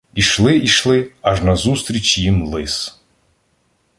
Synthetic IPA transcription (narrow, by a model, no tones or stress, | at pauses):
iʃlˠɪiʃlˠɪɐʒnɐzust̪ɾʲit͡ʃʲjimlˠɪs